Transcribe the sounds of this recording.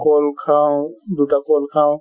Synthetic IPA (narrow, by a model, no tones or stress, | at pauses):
koːlkʰãːd̪uːʈ̪akoːlkʰãː